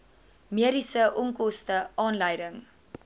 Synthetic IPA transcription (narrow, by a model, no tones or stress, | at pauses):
miəɾisəʔɔŋkɔstəɑːnləjdəŋ